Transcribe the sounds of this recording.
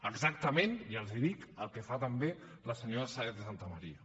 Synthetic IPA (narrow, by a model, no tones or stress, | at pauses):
əɡzak̚t̪əmeniəlˠziðikəlˠkəfat̪əmbe | ləsəɲoɾəsaeðəsant̪əməɾiə